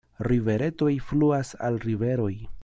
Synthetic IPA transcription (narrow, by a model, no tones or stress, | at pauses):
ɾive̞ɾe̞to̞jfluasa̰lɾive̞ɾo̞j